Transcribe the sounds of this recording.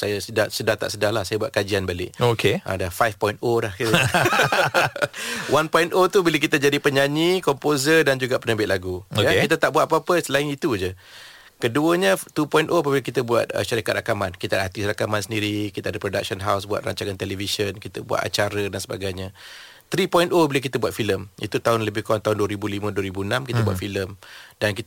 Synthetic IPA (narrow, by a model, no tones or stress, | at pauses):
sajasədasədaht̪a̰ʔsədahlahsajabuat̪̚kad͡ʒianbalɪ̰ʔokeã̰dafajfpɔjnt̪olahki | wanpɔint̪ot̪ubilək̬it̪əd͡ʒadipəɲaɲĩkɔmpozədand͡ʒuɡaʔpənəbɪt̪̚laɡuojakkit̪at̪aʔbuat̪̚papəsəlaɪŋit̪ud͡ʒə | kəduəɲə̃t̪upɔj̃nʔoap̬abilakit̪əbua̰t̪̚ə̰ʃaɾikat̪rɾakamankit̪adɦat̪isɾakamansəndiɾikit̪aadəpɾoda̰k̚ʃənɦawsbua̰t̪ɾa̰ɲt͡ʃaŋant̪elɛvisənkit̪əbua̰t̪a̰t͡ʃaɾədansəba̰ɡajɲa | t̪ɾipɔj̃nt̪obilək̬it̪əbuat̪̚filəmḭt̪ut̪aɦʊnləbɪhkaŋt̪aʊnduəɾibulimə̃duəɾibuənãmkit̪əbua̰filəmdanki